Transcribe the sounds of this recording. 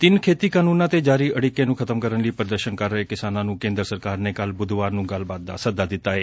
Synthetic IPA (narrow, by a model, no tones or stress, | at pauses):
t̪ɪnkʰeːt̪iːkaːnũːnãːt̪eːd͡ʒaːɾiːʔəɽiːkːẽːnũːkʰət̪əmkəɾənləiːpəɾd̪əɾʃənkəɾːəeːkɪsaːnãːnũːkẽːnd̪əɾsəɾkaːɾneːkəlbʊd̪ʋaːɾnũːɡəlbaːt̪̚d̪a̰ːsəd̪aːd̪ɪt̪ːaːeː